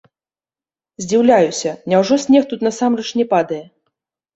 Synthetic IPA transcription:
zʲd͡zʲiwlʲajusʲɐnʲɛwʐɔsʲnʲɛxt̪ut̪nɐsamrɐt͡ʂnʲɛpad̪ɐjɛ

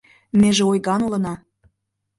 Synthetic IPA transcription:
meʒeojɣɑnulɤ̆nɑ

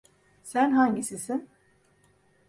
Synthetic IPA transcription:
sænɦaɲɟisisin

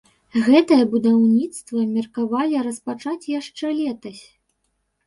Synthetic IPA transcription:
ɣɛt̪ɐjɐbud̪awnʲit̪st̪vɐmʲirkavalʲiɾɐspat͡ʂat͡sʲjaʂt͡ʂɛlʲɛt̪ɐsʲ

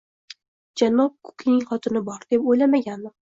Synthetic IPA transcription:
d͡ʒanːɒp̚kʰʊ̥kʲʰnɪŋχɒt̪ʰɪnɪbɒɾd̪̥e̞pojlamaɡʲanmɪ

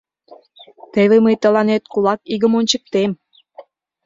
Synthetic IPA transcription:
t̪əβeməjt̪ə̆lɑnet̪̚kulɑkiɣə̆monʲt͡ɕək̚t̪em

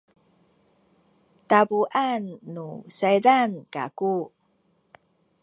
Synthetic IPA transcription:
tabuʔanːusajdanka̰ku

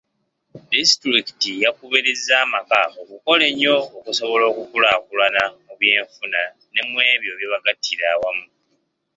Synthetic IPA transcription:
distɾikitijakuβiɾizaːmakaokuko̞le̞ɲo̞ːkuso̞βo̞lo̞ːkukulakulanamuβje̞ːɱfuna | ne̞mwe̞ːβjo̞βjeβaɡatʰːiɾaːwamu

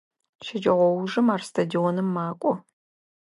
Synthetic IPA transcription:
ʃɪd͡ʒʼɐʁʷɔwʊʐɨmaːrstʰadionɨmːaːkʷʼɔ

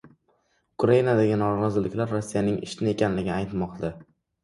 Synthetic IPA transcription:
ʊkʰɾajinad̪aɡʲɪnɒɾɑzɪlɪkʲlaɾːosːijanɪŋɪ̰ʃt̪ɪnɪe̞kʲʰanlɪɡʲɪajt̪mɒqd̪a

